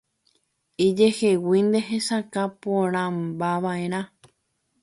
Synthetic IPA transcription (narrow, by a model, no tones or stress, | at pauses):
id͡ʒe̞he̞wind̪e̞ɦesakapõɾ̃ãmbaʋaʔeɾ̃ã